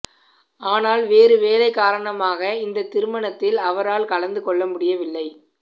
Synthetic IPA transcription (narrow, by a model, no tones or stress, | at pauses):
aːnaːlʋeːɾɯʋeːlɐɪkːaːɾɐɳɐmaːɣɐɪnd̪ɐt̪ːɪɾɯmɐɳɐt̪ːɪlɐʋɐɾaːlkɐlɐnd̪ɯkɔɭːɐmʊɽɪjɐʋɪlːɐɪ